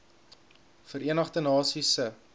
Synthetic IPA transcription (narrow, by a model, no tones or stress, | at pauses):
fəɾiənɐχdənɑːsisə